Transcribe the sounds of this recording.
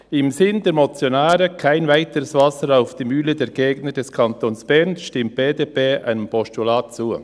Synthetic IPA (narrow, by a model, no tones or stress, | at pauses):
ɪmzɪndeːɾmot͡sjonaːɾəkʰaɪnvaɪtəɾəsv̥ɑsəɾaʊfd̥iːmyːlədeːɾɡeːɡnədɛskʰɑnt̪oːnsb̥ɛɾnʃtɪmt̚b̥eːdeːpeːʔa̰ɪnəmpɔstulɑːtt͡suː